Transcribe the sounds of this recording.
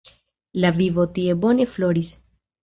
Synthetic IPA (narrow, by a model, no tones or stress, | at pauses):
lavivo̞tie̞bo̞ne̞flo̞ɾis